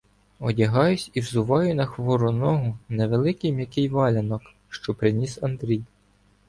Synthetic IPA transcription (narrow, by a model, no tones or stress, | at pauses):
ɔdʲɐɦɑjʊsʲiwzʊʋɑjʊnɐxʋɔɾʊnɔɦʊneʋelˠɪkɪjmʲjɐkɪjʋɑlʲɐnɔk | ʃt͡ʃɔpɾɪnʲisɐnd̪ɾʲij